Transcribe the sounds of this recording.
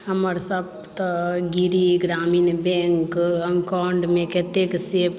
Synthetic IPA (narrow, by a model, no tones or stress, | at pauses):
ɦɐməɾsɐb̚ | t̪ɡiɾiɡɾaːmiːnbeːŋkɐmkaːɳɖmẽket̪eksep